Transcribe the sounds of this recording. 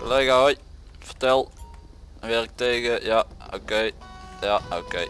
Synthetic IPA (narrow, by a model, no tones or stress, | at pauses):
koleːɣaɔjt | fətɛlˠ | ʋɛrk̚teːɡəjao̰kejjaokej